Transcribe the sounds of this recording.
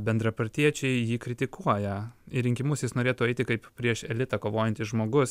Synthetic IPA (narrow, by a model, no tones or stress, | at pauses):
bʲɛnd̪ɾɐpɐɾʲt̪ʲiɛt͡ʃʲɛɪjiːkɾʲɪt̪ʲɪkuɔjɛɪɾʲɪŋʲkʲɪmʊsjɪsnoːɾʲeːt̪uːɛɪt̪ʲɪkɐɪppʲɾʲiɛʃɛlʲɪt̪ɐkoːʋoːjɛnʲt̪ʲɪsʒmoːɡʊs